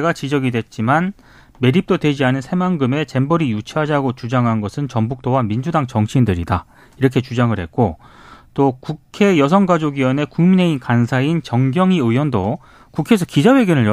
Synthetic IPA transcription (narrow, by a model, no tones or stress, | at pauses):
ɡat͡ɕid͡ʑʌɡidwe̞t̚t͡ɕ͈iman | me̞ɾip̚t͈odwe̞d͡ʑiɦanɯnsʰe̞maŋɡɯme̞t͡ɕe̞mbʌɾijut͡ɕʰiɦad͡ʑaɡot͡ɕud͡ʑaŋɦanɡʌsʰɯnt͡ɕʌmbuk̚t͈owamind͡ʑudaŋt͡ɕʌŋɕʰindɯɾida̰ | iɾʌkʰe̞t͡ɕud͡ʑaŋɯɭhe̞̰t̚k͈o | t͈okukʰe̞jʌs̬ʰʌŋɡad͡ʑoɡiʌne̞kuŋmine̞inkansʰaint͡ɕʌŋɡjʌŋiɯjwʌndo | kukʰe̞s̬ʰʌkid͡ʑawe̞ɡjʌnɯɭj